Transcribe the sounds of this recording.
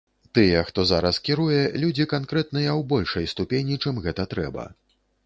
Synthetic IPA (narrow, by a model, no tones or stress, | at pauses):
t̪ɨjɛxt̪ɔzaɾɐskʲiɾujɛlʲud͡zʲikankɾɛt̪nɨjɐwbɔlʲʂɐjst̪upʲenʲit͡ʂɛmɣɛt̪ɐt̪ɾɛ̰bɐ̰